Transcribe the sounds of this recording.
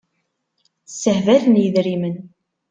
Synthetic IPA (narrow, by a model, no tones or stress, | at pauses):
sːəhvæθənjəðɾimən